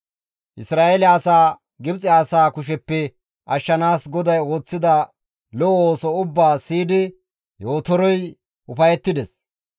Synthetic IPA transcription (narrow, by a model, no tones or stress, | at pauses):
ʔɪsɾaːʔelɛɐsaː | ɡɪbt͡sʼɪaːsaːkʊʃ̬ɛpːɛ | ʔɐʃːɐnaːsɡɔd̪ɐjo̞ːt͡sːɪd̪ɐ | lɔoːsɔʊbːaːsiːd̪ɪ | jo̞ːt̪ɔɾɔj | ʔʊpɐjɛt̪ːɪd̪ɛs